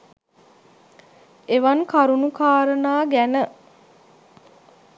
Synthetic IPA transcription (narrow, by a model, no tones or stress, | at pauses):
eʋankaɾunukaːɾənaːɡænə